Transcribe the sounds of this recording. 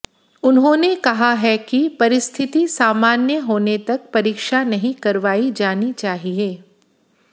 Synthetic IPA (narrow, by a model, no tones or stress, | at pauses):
ʊnɦõːnekɐɦaɦɛkipɐɾɪst̪ʰɪt̪isaːmaːnjəɦoːnet̪ɐk̚pɐɾiːkʃanɐɦĩkɐɾʋaːid͡ʒaːnit͡ʃaːɦieː